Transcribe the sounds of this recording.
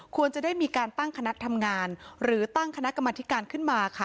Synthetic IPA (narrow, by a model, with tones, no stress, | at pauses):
kʰu˧ənt͡ɕa˨daː˥˩jmiː˧kaː˧nt̪a˥˩ŋkʰa˧na˦˥ʔt̪ʰa˧mŋaː˧nɾɯː˩˦t̪a˥˩ŋkʰa˧na˦˥ʔka˧mːaː˧t̪ʰi˦˥kaː˧nkʰɯ˥˩nmaː˧kʰa˥˩